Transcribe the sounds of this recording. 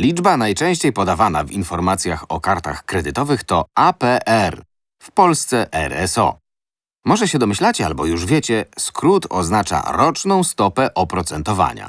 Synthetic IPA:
lʲid͡ʐbanajt͡ʂɛ̃w̃ɕt͡ɕejpɔd̪avanavinfɔɾmat̪sʲjaxɔkaɾt̪axkɾɛd̪ɘt̪ɔvɘxt̪ɔapɛʔɛɾ | fpɔlst̪sɛʔɛ̰ɾɛ̰sɔ̰ | mɔʐɛɕɛd̪ɔmɘɕlat͡ɕɛa̰lbɔjuʐvʲjet͡ɕɛskɾut̪ɔ̰znat͡ʂa̰ɾɔt͡ʂnɔ̃w̃st̪ɔpɛʔɔpɾɔt̪sɛnt̪ɔva̰ɲa̰

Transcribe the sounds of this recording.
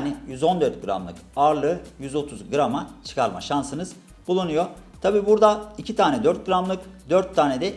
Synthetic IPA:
nijyzo̞nd̪ø̞ɾt̪̚ɡɯɾa̰mlˠɯ̰kaɾlˠɯjyzo̞t̪ʰuzɡɯɾamat͡ʃʰɯ̥kʰaɾma̰ʃansɯnɯz | bulˠunujo̞t̪ʰabiːbuɾd̪aicʰit̪ʰaːnɛd̪øɾt̪̚ɡɯɾamlˠɯkd̪øɾt̪ʰːaːned̪ɛ

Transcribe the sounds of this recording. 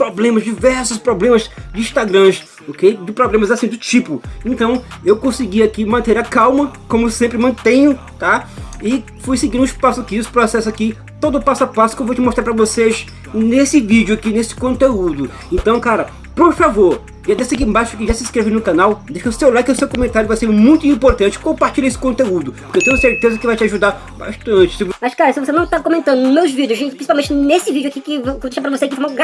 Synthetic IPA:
pɾoblẽmɐzd͡ʒivɛɾsʊspɾoblẽmɐzd͡ʒɪiʃt̪aɡɾɐ̃z | okejd̪ɪpɾoblẽmɐzasĩd̪ʊt͡ʃipʊẽt̪ɐ̃w̃ewkõsɪɡiakimɐ̃nt̪eɾɐkawmɐkõmʊesẽmpɾɪmɐ̃t̪ẽɲʊ | t̪aɪ | fujsɪɡĩd̪ũispasʊakiʊsɪ̥pɾɔsɛsʊaki | t̪od̪ʊpasʊapasʊ̥kẽwvot͡ʃɪmoʃt̪ɾaɾpɾɐvoses | nesɪvid͡ʒʊakinesɪ̥kõnt̪eud̪ʊ | ẽnt̪ɐ̃w̃kaɾɐ | poɾfavoɾ | ʒiad̪esak̬iẽbaʃʊkɪʒasɪiskɾevɪnʊkãnawd̪eʃɐʊsewlakɪʊsewkõmẽnt̪aɾjʊvajseɾmũj̃t̪ʊĩpoɾt̪ɐ̃nt͡ʃɪ̥kõmpaɾt͡ʃilʎɐesɪ̥kõnt̪eud̪ʊpoɾkewt̪ẽjʊseɾt̪ezɐkɪvajt͡ʃɪaʒud̪a | ba̰ʃt̪ɐ̃t͡ʃɪ̥sɪmɐʃkaɾɐsɪvosenɐ̃w̃t̪akõmẽnt̪ɐ̃nd̪ʊmewzvid͡ʒʊzipɾĩsipawmẽt͡ʃɪnesɪvid͡ʒʊakikɪvkod̪eʃɐpɾɐvoseakĩfɾmaɡ

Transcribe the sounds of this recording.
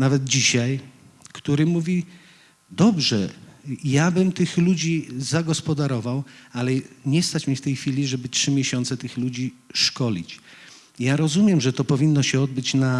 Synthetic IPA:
navɛd̪̚d͡ʑiɕaj | kt̪uɾɘmuvʲi | d̪ɔbʐɛjabɘmt̪ɘxlud͡ʑizaɡɔspɔd̪aɾɔvawalɛɲɛst̪at͡ɕmʲift̪ɛjxfʲilʲiʐɛbɘtʂɘmʲjɛɕɔnt̪sɛt̪ɘxlud͡ʑiʂkɔlʲḭt͡ɕ | jaɾɔzumʲjɛmʐɛt̪ɔpɔvʲinːɔɕɛɔd̪̚bɘt͡ɕna

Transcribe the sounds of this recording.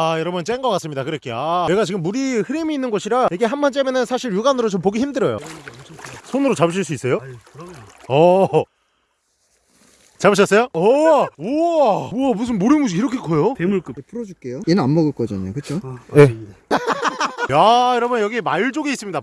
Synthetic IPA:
jʌɾʌbʌnt͡ɕ͈enɡʌkas͈ɯmɲidakɯɾekʰeaeɡat͡ɕiɡɯmːuɾiɸɯɾimiːnːɯnɡoɕʰiɾaikʰeɦanbʌnt͡ɕ͈emenɯnsʰaɕʰiɭjuɡanɯɾot͡ɕomp̬oɡiçimdɯɾʌjo̰ | sʰonɯɾot͡ɕabɯɕ̬ʰiɭs͈uis͈ejo | ʌ | t͡ɕabɯɭɕ̬ʰʌs͈ejoʌʌuʌmus̬ʰɯnmoɾemud͡ʑiiɾʌkʰekʰʌjotemuk͈ɯpʰuɾʌd͡ʑuk͈ejoinɯnanmʌɡɯɭk͈ʌd͡ʑɯɲokɯt͡ɕʰoe̞ | ajʌɾʌbʌnjʌɡimaɭt͡ɕ͈oɡeis͈ɯmɲida

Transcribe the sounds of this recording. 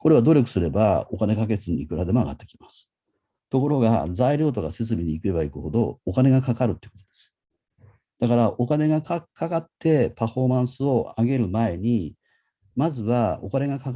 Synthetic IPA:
ko̞ɾe̞βad̪o̞ɾʲo̞k̬ɯ̟̥sɨɾe̞bao̞kanekake̞t͡sɨɲʲiikɯɾad̪e̞mo̞aɡa̰t̪ːe̞̥kʲi̥masɨ̥ | t̪o̞ko̞ɾo̞ɡa̰zaiɾʲo̞ːt̪o̞kase̞t͡sɨbʲiɲiːkɯ̟e̞baikɯ̟ho̞d̪o̞ːkane̞ɡakakaɾɯ̟t̪ːe̥kot̪od̪e̥sɨ̥ | d̪̥akaɾaʔo̞kane̞ɡakakʰakat̪ːe̞paɸo̞mãɰ̃sɨo̞aɡe̞ɾɯ̟mae̞ɲ̟i | mazɨβao̞kane̞ɡaka

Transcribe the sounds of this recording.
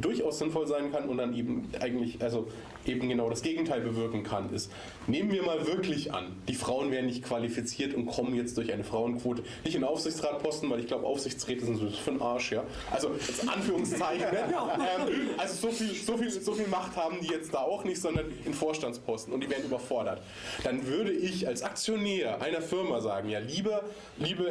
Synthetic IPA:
d̥ʊɐçʔaʊsz̥ɪnfɔlzaɪnkʰanʊntd̥anʔeːbm̩ʔa̰ɪɡŋ̩tlɪçʔalzo | ʔeːbm̩ɡənaʊɾasɡ̥eːɡŋ̩tʰaɪlbəvɪɐkŋ̩kʰanɪ̰st | neːmənviːɐmaːlvɪɐklɪçʔa̰nd̥iːfʁ̥aʊənveːɐdn̩nɪçtkv̥alifit͡siːɐtʊnt̚kʰɔmənjɛt͡std̥ʊɐçʔaɪnəfʁ̥aʊənkv̥oːtə | nɪçtɪnʔaʊfsz̥ɪçt͡sʁaːt̚pʰɔstn̩vaɪlɪçɡlaʊbəʔa̰ʊfz̥ɪçt͡sʁ̥ɛːtəzɪnzofyɐnʔaɐʃjaː | ʔalzojɛt͡stʔa̰nfyːʁʊŋst͡saɪçʔɛmʔalzozoːfiːlzofiːlzofiːlmaχthaːbm̩diːjɛt͡std̥aːaʊxnɪçtz̥ɔndɐnʔɪnfoːɐʃtant͡spʰɔstn̩ʊntd̥iːveːɐn̩yːbɐfɔɐɾɐt | d̥anvʏɐɾəʔɪçalsʔak̚t͡sjonɛːʔaɪnɐfɪɐmazaːɡŋ̩jaːliːbɐ | liːbə

